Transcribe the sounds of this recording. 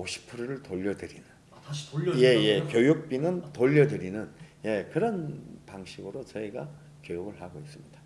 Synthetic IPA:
oɕʰi̥pʰuɾoɾɯɭtoʎːʌdɯɾinɯn | je̞je̞kjojuk̚p͈inɯntoʎːʌdɯɾinɯnje̞kɯɾʌnpaŋɕʰiɡɯɾot͡ɕʌiɡa | kjojuɡɯɭhaɡois͈ɯmɲid̥ḁ

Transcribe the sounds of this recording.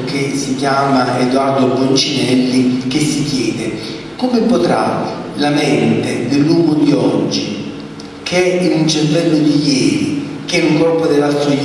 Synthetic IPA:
kesikjaːmaed̪ward̪obont͡ʃinɛlːikesːikjɛːd̪e | komepot̪ɾa̰ | lamɛnt̪ed̪ɪlːuːɡʊd̪iɔd͡ʒːi | kʰɛinunt͡ʃɛrvɛlːod̪ijɛːɾḭ | k̟ɛuŋkɔrpod̪elːast̪oj

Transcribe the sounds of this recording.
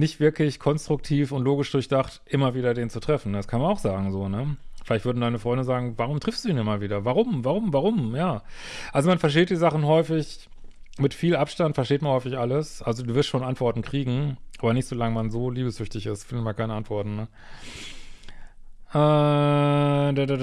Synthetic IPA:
nɪçtv̥ɪɐklɪçkʰɔnstʁ̥ʊk̚tʰiːfʊntloːɡɪʃd̥ʊɐçd̥aχtʔɪmɐviːdɐdeːnt͡sutʁ̥ɛfn̩ndaskʰanmanaʊxz̥aːɡŋ̩zoːnəfɪlaɪçtv̥ʏɐdn̩daɪnəfʁ̥ɔʏndəzaːɡŋ̩vaʁ̞ʊmtʁ̥ɪfsd̥uːiːnɪmɐviːdɐvaʁʊmvaʁ̞ʊmvaʁʊmjaː | ʔalzomanfɛɐʃ̬teːt̚d̥iːzaχn̩ɦɔʏfɪç | mɪtfiːlʔapʃtantfɛɐʃteːtmanhɔʏfɪçʔaləsʔalzoduːvɪɐstʃoːnʔantv̥ɔɐtn̩kʁ̥iːɡŋ̩ʔaːbɐnɪçtz̥oːlaŋəmanzoːliːbəsʏçtɪçɪ̰stfɪndəmaːkʰaɪnəʔantv̥ɔɐtn̩nə | ʔɛː | dd

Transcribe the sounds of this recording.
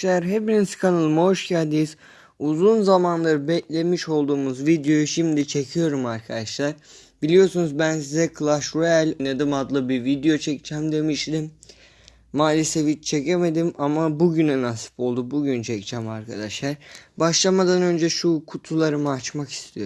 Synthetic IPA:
lʲæɾɦepiniskʰanɯlˠmoʃcʰæɾd̪ejiz | uzunzamanlˠaɾɯbɛclʲemiʃo̞lˠd̪uːmuzvid̪jo̞juʃimd̪it͡ʃʰe̞cʰijo̞ɾumaɾkʰad̪aʃlˠaɾ̥ | bilʲijo̞ɾsunuzbænsizɛkʰlˠaʃɾælʲned̪imad̪lˠɯbivid̪ejo̞t͡ʃʰɛct͡ʃʰæmd̪e̞miʃlʲimː | aːlʲisevit͡ʃt͡ʃʰeceme̞d̪imamabuɟynɛnasɯ̥pʰo̞lˠd̪ubuɟynt͡ʃʰɛct͡ʃʰæmaɾkʰa̰d̪aʃlˠaɾbaʃlˠamad̪anø̞nd͡ʒɛʃukʰut̪ʰulˠaɾɯmɯat͡ʃmaki̥st̪ʰijo̞ɾ

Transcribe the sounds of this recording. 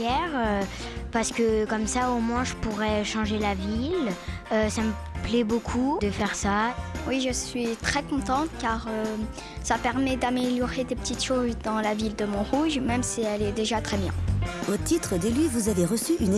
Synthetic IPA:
ɛʁø | paʁsə̥kəkɔmsaomwɛ̃ʒəpuʁɛʃɑ̃ʒelaviløsamə | plɛbokʰud̪əfɛʁsawiʒəsɥit̪χɛkɔ̃t̪ɑ̃t̪kaʁø | sapɛʁmɛd̪ameljɔʁed̪epə̥t̪it̪ʃozd̪ɑ̃lavild̪əmɔ̃ʁuʒmɛmsiɛlɛd̪eʒat̪χɛbjɛ̰̃ot̪it̪χəd̪elyvuzaveʁəsyʔyn

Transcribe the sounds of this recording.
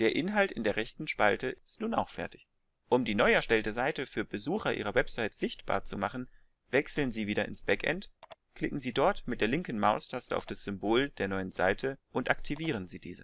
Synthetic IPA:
d̥eːɐʔɪnɦaltɪndeːɐʁɛçtn̩ʃpaltəʔɪstnuːna̰ʊxfɛɐtɪ̥ç | ʔʊmdiːnɔʏɛɐʃtɛltəzaɪtəfyːɐbəzuːxɐʔiːʁ̞ɐwɛpz̥aɪtz̥ɪçtb̥a̰ːɐt͡sumaχn̩ | vɛksl̩nziːviːɾɐɪ̰nsb̥ɛkʔɛ̰nt | kl̥ɪkŋ̩ziːdɔɐtmɪt̚d̥eːɐlɪŋkn̩maʊstʰastəʔa̰ʊfd̥asz̥ʏmboːldeːɐnɔʏənza̰ɪtʰəʔʊntʔaktʰiviːʁ̞ənziːdḭːzə

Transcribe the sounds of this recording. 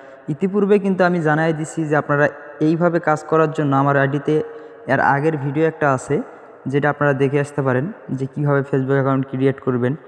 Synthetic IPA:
it̪ipuɾbek̬int̪uamid͡ʑanajed̪itːt͡ɕʰid͡ʑeapnaɾaejbʱabekad͡ʑkɔɾaɾd͡ʑonːoamaɾaɖit̪e | ɛɾa̰ɡeɾbʱiɖioɛk̚ʈaat͡ɕʰe | d͡ʑeʈaapnaɾad̪ekʰeaʃt̪epaɾend͡ʑekibʱaβefʰesbukɛkawɳʈkɾieʈkoɾben

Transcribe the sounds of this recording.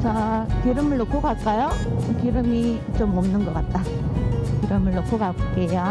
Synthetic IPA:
t͡ɕakiɾɯmɯɭːokʰɯɡak͈ajokiɾɯmi | t͡ɕomomnɯnɡʌk͈at̚t͈a | kiɾɯmɯɭːokʰoɡak͈ejo

